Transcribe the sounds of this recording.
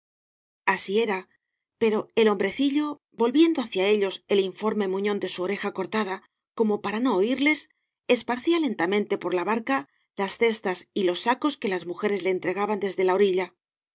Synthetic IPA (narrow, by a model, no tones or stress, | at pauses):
asie̞ɾa | pe̞ɾo̞e̞lo̞mbɾe̞θiʎo̞ | bo̞lβje̞nd̪o̞aθjae̞ʎo̞se̞liɱfo̞ɾme̞muɲo̞nd̪e̞suoɾe̞xako̞ɾt̪aða | ko̞mo̞paɾano̞ːiɾle̞s | espaɾθiale̞nt̪amẽ̞nt̪e̞po̞ɾlaβaɾka | lasθe̞st̪asilo̞sːako̞ske̞lazmuxe̞ɾe̞zle̞ːnt̪ɾe̞ɣ̞aβand̪e̞zðe̞lao̞ɾiʎa